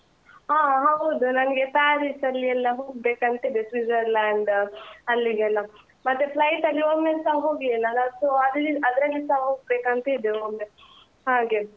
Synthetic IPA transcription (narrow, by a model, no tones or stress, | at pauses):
ɦaːɦɐwd̪unɐnɐɡe̞t̪ɐjaːɾisɐlːiɛlːɐɦoːɡbeːkɐnt̪eid̪esʋid͡ʒɐɾlaːɳɖɐlːiɡɛlːɐ | mɐt̪ːuplɐjʈɐlːioːmeːsaɦoːɡiɛlːɐlːasoɐlːiɐd̪ɾɐlːisaɦoːɡ̚beːkɐnt̪eid̪eoːe | ɦaːɡe